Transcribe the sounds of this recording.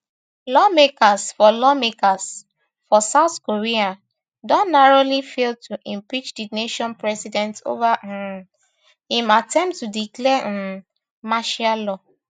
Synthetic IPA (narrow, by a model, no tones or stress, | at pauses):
lɔmekasfɔlɔmekas | fɔsaʊθkoɹia | dɔ̃nnaɹolifeltʰuʔɛ̃mpit͡ʃdineʃɔ̃npɹɛsidɛ̃nto̰vaũm | hĩmatɛ̃mptːudiklɛ̃m | maʃalɔ